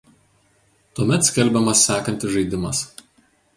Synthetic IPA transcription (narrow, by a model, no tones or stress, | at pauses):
t̪uɔmʲɛt̪sʲkʲɛlʲbʲɛmɐsːʲæːkɐnʲt̪ʲɪʒɐɪd̪ʲɪmɐs